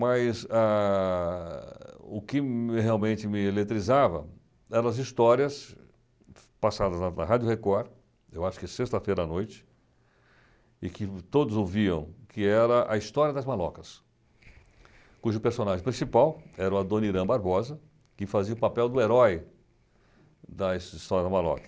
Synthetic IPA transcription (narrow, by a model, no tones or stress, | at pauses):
mɐjza | ʊkɪheawmẽnt͡ʃɪmɪelet̪ɾizavɐ̰ | ɛɾɐ̃ɐzist̪ɔɾiɐs | pasad̪ɐzɐnɐ̰ɦad͡ʒʊhekɔɾ | ewaʃʊ̥kɪsest̪ɐfejɾɐːnojt͡ʃɪ̥ | ɪkɪt̪od̪ʊzoviɐ̰̃w̃kʰɪɛɾɐʔɐist̪ɔɾiɐd̪ɐzmalɔ̰kɐs | kuʒʊpeɾsõnaʒẽj̃pɾĩsipawɛɾɐɐd̪õniɾɐ̃baɾbɔzɐ | kɪfaziɐʊpapɛwd̪ʊeɾɔj | d̪ɐisist̪ɔɾjɐd̪ɐmalɔ̰kɐ̥